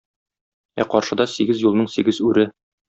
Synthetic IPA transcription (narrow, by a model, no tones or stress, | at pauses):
æ̰qɒɾʃɤ̆d̪ɑsiɡɘzjulˠnɤɴsiɡɘzʉɾɘ